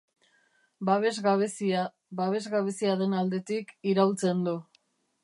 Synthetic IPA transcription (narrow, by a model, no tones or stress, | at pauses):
baβezɣaβesia | baβe̞zɣaβe̞siaðe̞nald̪e̞t̪ikiɾawlt͡se̞nd̪u